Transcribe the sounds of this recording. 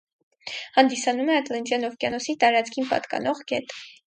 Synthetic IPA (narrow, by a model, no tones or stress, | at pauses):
hɑnd̪isɑnumɛɑt̪lɛnd̪jɑnɔvkjɑnɔsit̪ɑɾɑt͡skʰinpɑ̰t̪kɑ̰nɔʁɡɛt̪